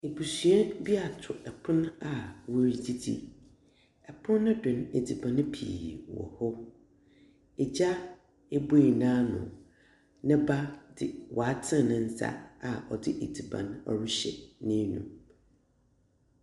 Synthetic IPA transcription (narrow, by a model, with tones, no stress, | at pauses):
e˨bu˨sɥɛ˦bi˦a˨tʰʊ˨ʔɛ˨pʰʊ̃˦na˨wo˦ɾi˨di˦dḭ˦ | ɛ˨pʰʊ̃˦nː˦ʊ̃˦dʊ̃˨ne˨di˨bã˨ñ˦pʰḭː˨wɔ̰˨hɔ˦ | ɛ˨d͡ʑa˦ | e˦bo˦i˨nãː˦nʊ̰̃˨ | nɪ̃˦ba˦dɪ˨wɔ˨a˦tʰɪ̃˦˨nɪ̃˨n̩˦sa̰˦a˨ɔ˨dɪ˦ʔe˨di˨bã̰˨nɔ̰˨ɾu˦ɕɛ̰˨nɪ̃˦nṵ̃˨m